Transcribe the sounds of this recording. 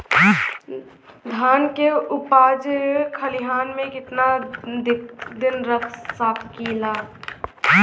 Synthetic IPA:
d̪ʱaːnkeʊpaːd͡ʒkʰəliɦaːnmẽkɪt̪na | d̪ɪnɾət̪ʰsaːpkilaː

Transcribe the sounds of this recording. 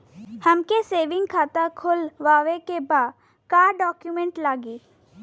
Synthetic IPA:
həmkeseːʋɪ̃ŋɡkʰaːt̪akʰʊlʋaːʋekebaːd̪ | kaːɾɖɔːkjumẽɳʈlaːɡiː

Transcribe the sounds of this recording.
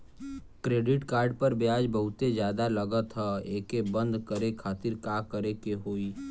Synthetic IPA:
kɾeːɖɪʈkaːɾɖpəɾbjaːd͡ʒbəɦʊt̪ed͡ʒjaːd̪aləɡət̪ɦɛeːkebə̃nd̪kəɾekʰaːt̪ɪɾkaːkəɾekeɦoːi

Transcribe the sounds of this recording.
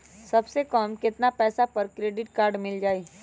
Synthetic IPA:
sɐbsekaːmkɪt̪napɛːsapɐɾkɾeːɖɪʈkaːɾɖmɪld͡ʒaːeː

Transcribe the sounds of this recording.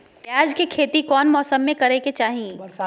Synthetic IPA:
ʈaːd͡ʒkekʰeːt̪ikɔːnmɔːsəmːẽkɐɾeket͡ʃaːɦĩ

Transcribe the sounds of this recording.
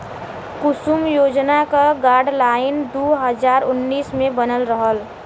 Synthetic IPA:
kʊsumjoːd͡ʒnakaɡaːɾɖlaːɪnd̪uɦəd͡ʒaːɾʊnːiːsmẽbənəlɾəɦəl

